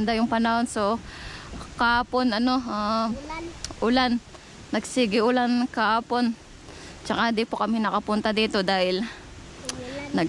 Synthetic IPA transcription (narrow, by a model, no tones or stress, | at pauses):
nd̪ajʊŋpɐnɐho̞nso̞ | kɐhaːpo̞nɐno̞a | ʔʊlanː | ɐɡsiːɡɪʔʊlankɐhaːpo̞n | t͡ʃɐkad̪ɪpokɐmɪnɐkɐpʊnt̪ɐd̪iːt̪o̞d̪aːhɪl | nɐɡ